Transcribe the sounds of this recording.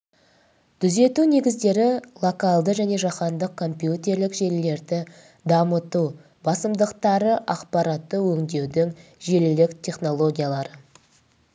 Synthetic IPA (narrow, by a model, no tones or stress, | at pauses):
t̪ʰʏze̞t̪une̞ɡʲɪzd̪e̞ɾɪlˠo̞kalˠd̪əʒæne̞ʒɑqɑnd̪əq̚kʰːo̞mpjut̪ʲe̞ɾlɪkʒe̞ɾle̞ɾd̪ɪ | d̪ɑmət̪u | bɑsəmd̪əqt̪ɑɾəʔɑqpɑɾat̪ːəwɵŋd̪e̞wd̪ɪŋʒe̞lɪlɪkt̪ʲʰe̞χno̞lˠo̞ɡʲijalˠɑɾə